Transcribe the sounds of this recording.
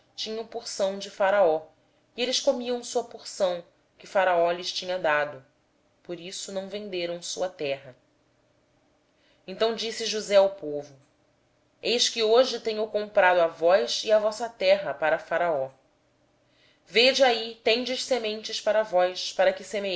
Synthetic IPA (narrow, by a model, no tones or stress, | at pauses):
t͡ʃĩɲɐ̃w̃puɾsɐ̃w̃d͡ʒɪfaɾaɔ | ielɪʃkomiɐ̃w̃suɐpuɾsɐ̃w̃ | kɪfaɾaɔlɪʃt͡ʃĩɲɐd̪ad̪ʊ | poɾisʊnɐ̃w̃vẽnd̪eɾɐ̃w̃sṵɐt̪ɛɦɐ | ẽnt̪ɐ̃w̃d͡ʒisɪʒuzɛawpovʊ | ejʃkɪoʒɪt̪ẽɲowkõmpɾad̪ʊavɔjsiavɔsɐt̪ɛɦɐpaɾɐfaɾaɔ | ved͡ʒɪait̪ẽɲd͡ʒɪʃsemẽnt͡ʃɪʃpaɾɐvɔjʃpaɾɐkɪseme